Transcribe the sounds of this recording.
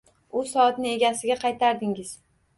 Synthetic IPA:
ʊsɒːt̪nɪe̞ɡʲasɪɡʲaqʰɑjt̪ʰaɾd̪ɪŋɪz̥

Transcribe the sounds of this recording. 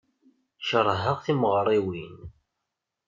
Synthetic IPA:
ʃəɾˤɦəʁθiməʁɾˤiwin

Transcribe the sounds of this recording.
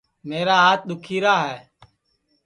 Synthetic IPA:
meːɾaːɦaːt̪̚ɗ̪ʊkʰiːɾaːɦɛː

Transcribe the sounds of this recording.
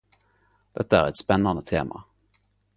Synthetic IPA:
d̪̥ɛt̪ːaæɾɛt̪spɛnːand̪ət̪ʰḛːma̰

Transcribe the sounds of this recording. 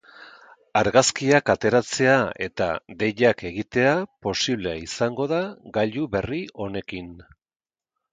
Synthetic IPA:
aɾɣaskiakat̪e̞ɾat͡se̞ae̞̰t̪a̰ðe̞ʎake̞ɣit̪e̞apo̞siβle̞aisaŋɡo̞ðaɡaʎuβe̞rio̞ne̞kin

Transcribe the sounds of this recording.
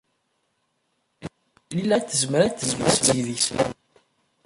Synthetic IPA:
lilæt͡sːəzməɾæt̪ːəzmisviðis

